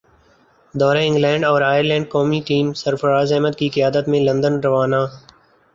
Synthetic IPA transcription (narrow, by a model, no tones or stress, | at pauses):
d̪ɔːɾẽːɪ̃ŋɡlɛːɳɖɔːɾaːjəɾlɛ̃ːɳɖ̚kɔːmiːʈiːmsəɾfəɾaːzɛːməd̪kiːkəjaːd̪ət̪mẽːlə̃nd̪ənɾəʋaːnaː